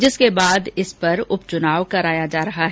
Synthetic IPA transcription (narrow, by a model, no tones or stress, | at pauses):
d͡ʒɪskebaːd̪ɪspɐɾʊpt͡ʃʊnaːʋkɐɾaːjad͡ʒaːɾɐɦaɦɛ